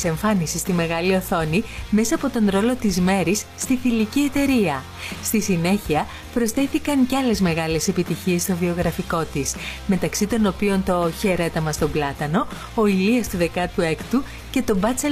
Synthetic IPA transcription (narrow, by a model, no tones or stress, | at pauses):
se̞ɱfɐnisist̪ime̞ɣɐlio̞θo̞nime̞sɐːpo̞t̪o̞nɾo̞lo̞t̪izme̞ɾisːt̪iθilicie̞t̪e̞ɾiɐ | st̪isine̞çiɐ | pɾo̞sθe̞θikɐncɐle̞zme̞ɣɐle̞se̞pit̪içie̞st̪o̞vio̞ɣɾɐfiko̞t̪isme̞t̪ɐksit̪o̞no̞pio̞nt̪o̞çe̞ɾe̞t̪ɐmɐst̪o̞blɐt̪ɐno̞ː | iliɐst̪uðe̞kɐt̪ue̞kt̪u | ce̞t̪o̞bɐt͡se